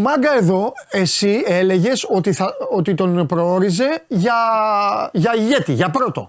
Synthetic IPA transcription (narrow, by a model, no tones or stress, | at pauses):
mɐɡɐe̞ðo̞e̞sie̞le̞ʝe̞so̞t̪iθɐot̪it̪o̞npɾoo̞ɾize̞ʝɐ | ʝɐiʝe̞t̪iʝɐpɾo̞t̪o̞̰